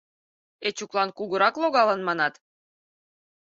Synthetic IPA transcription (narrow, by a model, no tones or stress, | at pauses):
et͡ɕuklˠɑnkuɣəɾɑkloɣɑlə̆nmɑnɑt̪